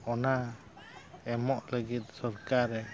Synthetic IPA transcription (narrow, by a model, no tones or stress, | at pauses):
ɔna | ɛmɔʔləɡit̪̚sɔɾkaɾɛ